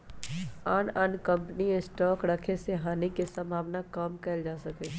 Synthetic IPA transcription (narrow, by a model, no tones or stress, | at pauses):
aːnɐnkɐ̃mpniesʈɔːkɾɐkʰeseɦaːnikesɐ̃mbʱaːʋnakamkɛld͡ʒaːsɐke